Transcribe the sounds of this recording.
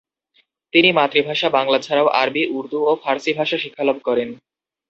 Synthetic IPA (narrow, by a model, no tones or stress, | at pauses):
t̪inimat̪ɾibʱaʃabaŋlad͡ʑʱaɾaoʔa̰ɾbiʔuɾd̪uofaɾsibʱaʃaʃikʰːalob̚kɔɾen